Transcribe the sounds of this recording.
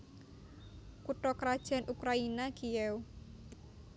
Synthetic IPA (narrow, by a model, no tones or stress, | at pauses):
kuʈɔkɾad̥ʒ̥a̤nʔukɾainakiɛw